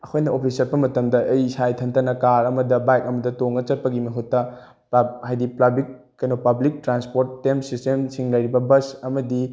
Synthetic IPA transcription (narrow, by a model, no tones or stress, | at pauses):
ɐkʰojnɐopʰisɐɾbɐmɐtɐmdɐʔɐjsajtʰɐntʰɐnɐkaɾɐmɐdɐbajkɐmɐdɐtoŋɡɐt͡ʃɐt̚pɐɡimɐɦutːɐ | pahajdiplabik̚ːɐjnopɐblik̚tɾanspoɾtːemsistemsiŋlɐjɾibɐbɐsɐmɐdi